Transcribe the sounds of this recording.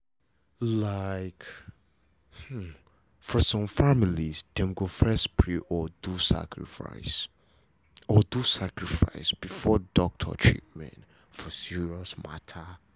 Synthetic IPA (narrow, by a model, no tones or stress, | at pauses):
laɪk | h̩ | fɔsɔ̃mfamilizd̥ɛ̃mɡofɛspʰɹiʔɔdusa̰kʰɹḭfa̰ɪs | ɔdusakɹifa̰ɪsb̥ifɔdɔk̚tʰə̰t͡ʃʰḭt̚mɛ̰̃nt | fɔsiɹiɔsma̰tʰə